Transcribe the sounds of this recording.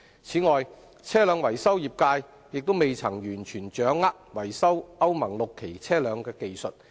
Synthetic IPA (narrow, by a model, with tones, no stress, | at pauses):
t͡sʰiː˨˥ŋɔː˨j | t͡sʰɛː˥lœː˨˧ŋwɐ˨˩jsɐ˥wjiː˨p̚kaː˧j | jɪ˨k̚t̪o˥wme˨jt͡sʰɐ˨˩ŋjyː˨˩nt͡ʃʰyː˨˩nt͡ʃœː˨˥ŋːaː˥k̚wɐ˨˩jsɐ˥wɐ˥wmɐ˨˩ŋlo˨kʰːe˨˩jt͡sʰɛː˥lœː˨˧ŋkɛː˧ke˨jsɵ˨t̚